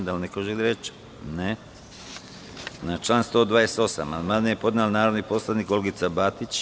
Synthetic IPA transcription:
d̪alnekoʒeɡd̪iɾet͡ʃ | ne | nat͡ʃlaːnst̪o̞ːd̪ʋaːjese̥t̪o̞sa̰mamanejepo̞d̪nalnaːɾoʋ̪niposlˠaniːko̞lɡit̪sabat̪it͡ɕ

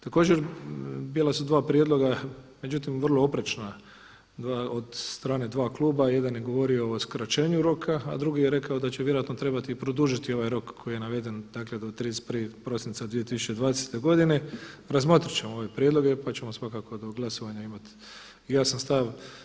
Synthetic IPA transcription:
t̪ako̞ːd͡ʑeɾbilˠasud̪ʋaːpɾje̞d̪lˠo̞ɡa | me̞d͡ʑut̪imʋərlˠo̞opɾet͡ʃna | d̪ʋaːod̪st̪ɾaːne̞d̪ʋaːklˠuːbaje̞d̪anjeɡo̞ʋo̞ɾio̞oskɾat͡ʃe̞ːɲuɾo̞kʰa̰ːd̪ɾuɡijeɾe̞kaod̪at͡ɕeʋjeɾoat̪not̪ɾe̞bat̪iːpɾo̞d̪uʒit̪io̞ʋajɾo̞kʰːo̞jije̞naʋed̪e̞nd̪akle̞d̪ot̪ɾid̪espɾʋipɾo̞sint̪sad̪ʋije̞t̪isu̥t͡ʃe̞d̪ʋaːd̪eset̪e̞ɡo̞d̪ine̞ɾazmo̞t̪ɾit͡ɕe̞moo̞ʋe̞pɾje̞d̪lˠo̞ɡe̞pat͡ɕe̞mo̞sʋakako̞d̪oɡlˠaso̞ʋaɲaimat̪ | ijaːsanst̪aʋ

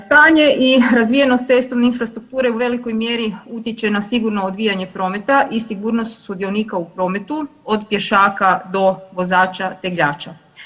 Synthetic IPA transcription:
st̪aːɲe̞ʔiɾazʋije̞no̞st̪se̞st̪o̞ʋneinfɾast̪ɾuk̚t̪uːɾe̞uʋe̞liko̞jmje̞ɾiut̪jet͡ɕe̞nasiɡuɾno̞od̪ʋijaɲe̞pɾo̞me̞t̪aʔisiɡuːɾno̞st̪sud̪jo̞niːkaupɾo̞ːme̞t̪uo̞d̪pje̞ʃaːkad̪o̞ʋo̞zaːt͡ʃat̪e̞ɡʎaːt͡ʃa

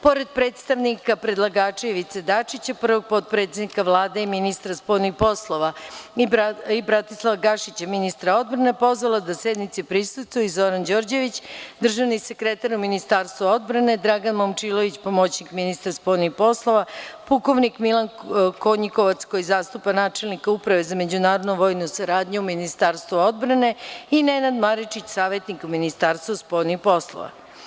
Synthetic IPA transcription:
po̞ɾe̞d̪̚pɾe̞ːt̪st̪aʋnikapɾe̞d̪lˠaɡaːt͡ʃeiʋit̪sed̪at͡ʂit͡ɕapr̩ʋo̞ɡ̚po̞t̪̚pɾe̞t̪e̞d̪nikaʋlˠaːd̪eiminist̪ɾaspo̞ːjnixpo̞slˠo̞ʋa | ibɾat̪islˠaʋaɡaʃit͡ɕaminist̪ɾao̞d̪bɾane̞po̞zʋalˠad̪ased̪nit̪sipɾisusuizo̞ɾand͡ʑo̞ːɾd͡ʑe̞ʋit͡ɕd̪r̩ʒaʋnisekɾet̪aɾuminist̪aɾst̪ʋuo̞d̪bɾane̞d̪ɾaɡanmomt͡ʃilo̞ʋit͡ɕpomot͡ɕnikminist̪ɾaspo̞ːlnixpo̞slˠoʋapuko̞ʋnikmilˠankoɲikoʋat̪skojizaːst̪upanaːt͡ʃe̞lˠnikaupɾaʋezame̞d͡ʑunaːɾod̪noʋo̞ːjnusaɾaːd̪ɲuuminist̪aɾst̪ʋuo̞d̪bɾane̞inenad̪maɾit͡ʃit͡ɕsaːʋe̞t̪nikuminist̪aːɾst̪vospo̞ːjnixpo̞slˠo̰ʋa̰

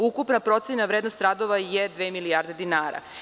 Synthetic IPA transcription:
ukupnapɾo̞t̪senaʋɾeːd̪nost̪ɾad̪oʋajed̪ʋeːmilijaːɾd̪e̞d̪inaːɾa̰

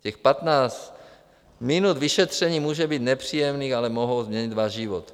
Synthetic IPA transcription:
cɛxpat̪naːt͡s | mɪnud̪viʃɛt̪r̝̥ɛɲiːmuːʒɛbiːd̪nɛpr̝̥iːjɛmniːxalɛmoɦowzmɲɛɲid̪vaːʒʒɪvot̪

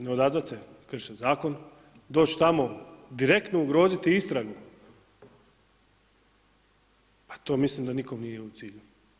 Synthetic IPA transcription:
neod̪azat̪sekr̩ʃezaːko̞n | d̪o̞ːt͡ɕt̪amo̞d̪iɾe̞kt̪nouɡɾo̞ːzit̪iist̪ɾaɡu | pḁt̪o̞ːmislimd̪aniko̞mnijeut̪siːʎu

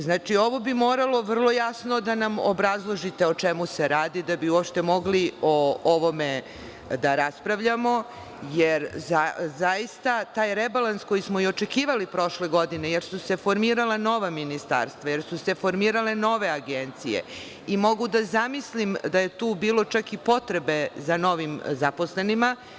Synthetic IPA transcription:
znaːt͡ʃio̞ʋo̞bimo̞ːɾalˠo̞ʋr̩lˠo̞jasno̞d̪anamo̰bɾazlˠo̞ʒit̪e̞ot͡ʃemuse̞ɾaːd̪id̪abiuopʃt̪e̞moɡliooʋo̞me̞ | d̪aɾaspɾaʋʎamo̞ | jeɾzazaist̪at̪aːjɾebalansko̞jismo̞io̞t͡ʃe̞kiːʋalipɾo̞ʃle̞ɡo̞d̪ine̞je̞ɾsuse̞fo̞ɾmiːɾalano̞ʋaminist̪a̰ɾst̪ʋaje̞ɾsuse̞fo̞ɾmiːɾale̞no̞ʋe̞aɡent̪sijḛ | imo̞ɡud̪azamislimd̪aje̞t̪uːbiːlo̞t͡ʃakipo̞t̪ɾe̞bezano̞ʋimzapo̞sle̞nima

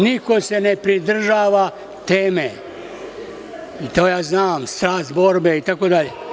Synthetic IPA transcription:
niko̞se̞nepɾid̪r̩ʒaːʋa | t̪eːme | it̪oːjaːznaːmst̪ɾaːst̪bo̞ɾbeit̪akod̪aʎe

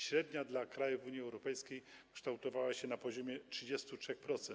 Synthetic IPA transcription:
ɕɾɛd̪ɲad̪lakɾajuvuɲjiɛwɾɔpɛjskʲejkʂt̪awt̪ɔvawaɕɛnapɔʑɔmʲjɛtʂɘd͡ʑɛst̪utʂɛxpɾɔt̪sɛn

